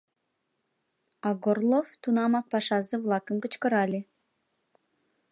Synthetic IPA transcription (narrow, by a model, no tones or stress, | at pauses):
ɑɡorlˠoft̪unɑmɑk̚pɑʃɑzə̆vlˠɑkə̆nkə̆t͡ɕkə̆ɾɑlʲe